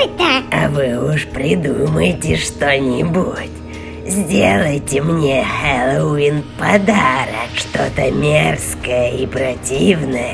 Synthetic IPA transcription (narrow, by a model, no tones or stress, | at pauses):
t̪aɐ̰vɨʊʂpɾʲɪd̪uməjɪtʲɪʂt̪onʲɪbutʲ | zʲdʲelˠəjtʲɪmnʲexɛlˠəinpɐd̪aɾəkʂt̪ot̪əmʲerskəjəipɾɐtʲivnəjə